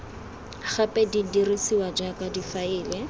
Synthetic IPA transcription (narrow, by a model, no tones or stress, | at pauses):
χapʼɛdidirisiwad͡ʒakʼadifaɪːlɛ